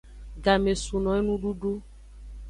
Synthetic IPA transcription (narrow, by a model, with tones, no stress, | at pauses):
ɡa˨me˨su˨nɔ̃˨˦e˦nũ˦ɖu˦ɖu˦